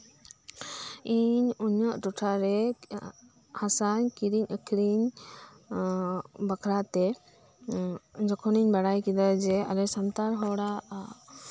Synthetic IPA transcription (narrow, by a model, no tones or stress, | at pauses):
iɲuɲəʔʈɔʈʰaɾɛ | hasankiɾiɲʔəkʰɾiɲ | bakʰɾat̪ɛ | d͡ʒɔkʰɔniɲbaɽajkid̪ad͡ʒɛaɾɛsamt̪aɾɦɔɽa